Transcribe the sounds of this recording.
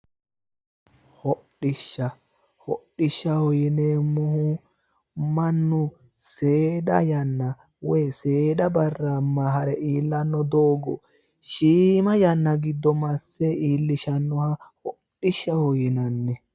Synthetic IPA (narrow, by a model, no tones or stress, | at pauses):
hɔɗɪʃːɐ | hɔɗːɪʃːɐhɔjɪneːmʊhʊ | mɐnːʊ | seːɗɐ̰jɐnːɐ | wɛjseːɗɐbɐrːamːɐɦɐɾɛʔiːlːɐnːɔd̪oːɡɔ̰ | ʃiːmɐjɐnːɐɡɪd̪ːɔmɐsːeiːlːɪʃɐnːɔhɐhɔɗɪʃːɐhɔjɪnɐnːɛ